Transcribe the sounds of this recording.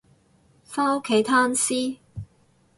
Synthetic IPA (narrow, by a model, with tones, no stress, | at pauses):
fa˥no˥kʰe˨˥jt̪ʰaː˥nsiː˥